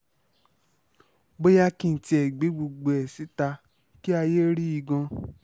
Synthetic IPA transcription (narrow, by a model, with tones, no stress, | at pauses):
bo˦ja˦kĩ˦˨n̩˨ti˧˦ɛ˨ɡ͡be˨˦ɡ͡bo˧ɡ͡bo˨ɛ˨si˨˦ta˧ | ki˦a˧je˦ɾi˦i˧ɡɔ̃˧